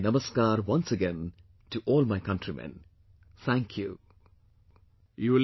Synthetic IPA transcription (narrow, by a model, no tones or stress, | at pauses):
nʌməskaːɾwʌ̃nsəɡẽn | tuʔɔːlmajkʌ̃ntɾimɛ̰̃n | t̪ʰæ̃ŋkʰjṵ | jul